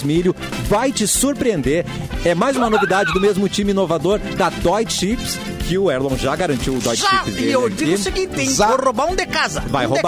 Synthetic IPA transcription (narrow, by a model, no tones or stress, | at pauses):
zmiʎʊ | vajt͡ʃɪsuɾpɾiẽnd̪eɾɛmajzũmɐnovid̪ad͡ʒɪd̪ʊmezmʊt͡ʃĩmɪĩnovad̪oɾd̪ɐd̪ɔjt͡ʃʃips | kɪʊɛɾlõw̃ʒaɡaɾɐ̃nt͡ʃiwʊd̪ɔjt͡ʃʒʃaipseviisekĩt̪ẽaohobaɾũd̪ekazɐvajhoba